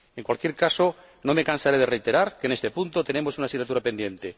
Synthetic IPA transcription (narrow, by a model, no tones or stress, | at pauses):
e̞ŋkwalkje̞ɾkaso | no̞mekansaɾeð̞erejt̪e̞ɾaɾkenest̪e̞punt̪ot̪e̞ne̞mo̞sunasinat̪̬uɾape̞nd̪jẽ̞nt̪e